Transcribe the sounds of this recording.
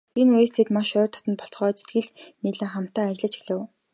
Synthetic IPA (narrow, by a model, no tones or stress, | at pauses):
inuest̪ʰeːt̪maʃœːrt̪ʰɔ̥t̪ɞ̆npɔɬt͡sχœːt͡ɕe̥t̪ɡɘ̆ɮmiːɮăːχam̥t̪aːat͡ɕɪ̆ɮə̆t͡ɕi̥xɮɘ̆w